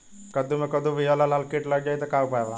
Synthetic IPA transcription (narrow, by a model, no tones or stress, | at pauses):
kəd̪ʱumikəd̪ʱũʋijalalalkiʈlaɡ̚d͡ʑait̪əkaupajʋa